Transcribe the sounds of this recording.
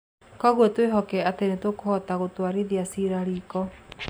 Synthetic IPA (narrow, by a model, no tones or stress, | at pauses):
kɔɣwɔtweɦɔkɛatenetokohɔtaɣotwaɾeðiasiɾaɾiːkɔ